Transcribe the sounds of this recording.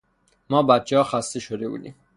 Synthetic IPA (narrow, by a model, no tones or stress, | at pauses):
mɒːbæt̪̚t͡ʃʰehɒːxæst̪eʃod̪ebṵːd̪ḭːm